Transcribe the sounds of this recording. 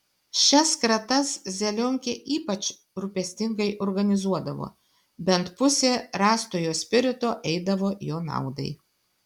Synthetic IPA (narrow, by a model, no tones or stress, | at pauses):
ʃʲɛskɾɐt̪ɐszʲɛlʲɔːŋʲkʲeːʔiːpɐt͡ʃ | ɾʊpʲɛsʲt̪ʲɪŋɡɐɪʔoːɾɡɐnʲɪzuɔd̪ɐʋo̰ː | bʲɛnt̪pʊsʲeːɾɑːst̪oːjoːsʲpʲɪɾʲɪt̪oːʔɛɪd̪ɐʋoːjoːnɑ̰ˑʊd̪ɐ̰ɪ